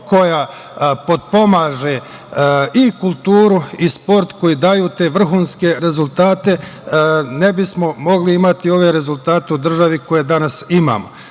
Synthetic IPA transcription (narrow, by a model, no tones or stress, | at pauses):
ko̞ja | po̞d̪̚po̞maːʒe̞ | ikulˠt̪uːɾuispo̞ɾt̪ko̞jid̪aːjuːt̪e̞ːʋr̩ɦuːnske̞ɾe̞zulˠt̪aːt̪e̞ | ne̞bismo̞mo̞ɡliimat̪io̞ʋe̞ɾe̞zult̪aːt̪e̞ud̪r̩ʒaʋiko̞je̞d̪anasima̰ːmo